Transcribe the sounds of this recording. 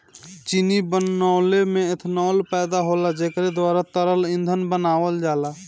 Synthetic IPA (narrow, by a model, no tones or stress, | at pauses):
t͡ʃinibənaːlemẽɪt̪ʰnɔːlpɛːd̪aɦolad͡ʒeːkɾed̪waːɾat̪əɾəlɪ̃nd̪ʱənbənaːwəld͡ʒaːla